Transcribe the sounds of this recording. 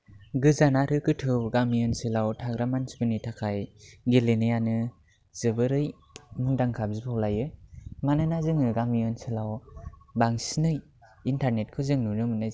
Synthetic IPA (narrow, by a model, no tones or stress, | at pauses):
ɡɯzanaɾɯkɯtʰɯwɡamijɔnsɯlawtʰaɡɾamansbɯnitʰakʰajɡelenɯjanɯ | z̥ɯbɯɾɯj | muŋdaŋkʰab̚zipʰawlajɯmanɯnazɯŋɯɡamijɔnsɯlawbaŋsinɯj | intʰaɾnet̚kʰɯzɯŋnunɯmɯnɯ